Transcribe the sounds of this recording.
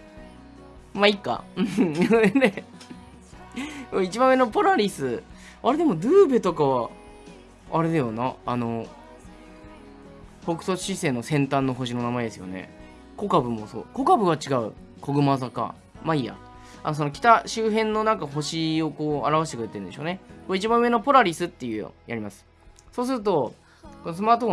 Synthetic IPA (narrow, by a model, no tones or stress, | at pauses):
maikːa̰ɯ̟̃anod̪ene | koit͡ɕibãmːe̞nopo̞ɾaɾʲisɨ | aɾe̞d̪e̞mo̞d̪ɯːbet̪o̞kaβa | ɾe̞d̪ajo̞naːno̞ | ho̞kɯ̟̥so̥ɕise̞ːno̞sẽ̞nt̪ãnːo̞ɦo̞ɕino̞namaed̪esɨjo̞̰ne̞̰ | ko̞kabɯ̟mo̞so̰ːko̞kabɯ̟ɡat͡ɕiɡaɯ̟̰ | kʰo̞ɡɯ̟mazaka̰ | maia̰ | a̰no̞s̬o̞no̞kʲi̥t̪aɕɨːɦẽ̞nːo̞nãŋkaɦo̞ɕio̞koːaɾaβaɕ̬it̪ekɯɾe̞t̪e̞ɾɯ̟nd̪eɕoːne̞koit͡ɕibãɯ̟e̞nopo̞ɾaɾʲisɨt̪ːe̞jɯ̟̰jaɾʲimasɨ̥ | so̞ːs̬ɨɾɯ̟t̪o̞ | konosɨmaːt̪oh